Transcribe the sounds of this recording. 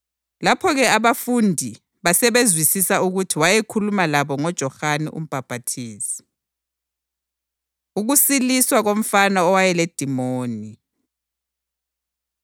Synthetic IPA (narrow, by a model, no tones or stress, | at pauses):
lapʰɔɣɛaβafundʱi | βasɛβezwisisauɣutʰiwajekʰulumalaβɔŋɔd̥ʒ̥ʱɔxaniʔṵm̩b̥ʱab̥ʱatʰiːsi̥ | uɣusiliswaɣom̩fanaɔwajɛled̥ʱimoːni